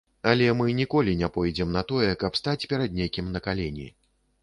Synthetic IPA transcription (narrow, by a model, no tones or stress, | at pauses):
ɐlʲɛmɨnʲikɔlʲinʲɛpɔjd͡zʲɛmnɐt̪ɔjɛkɐpst̪at͡sʲpʲɛɾɐd̪nʲejkʲimnɐkalʲenʲḭ